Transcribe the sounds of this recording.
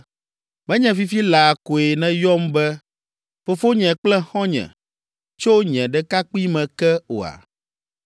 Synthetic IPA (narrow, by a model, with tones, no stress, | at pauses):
mɛ̃˦ɲɛ̃˨fi˦fi˦la˨ko˨e˨nɛ̃˦jɔ˦mbɛ˦ | fo˨fo˦ɲɛ̃˨k͡plɛ˦xɔ̃˦ɲɛ̰̃˨ | t͡ʃo˦ɲɛ̃˨ɖɛ˦ka˦k͡pi˦mɛ̃˨kɛ˦o̰˨a̰˨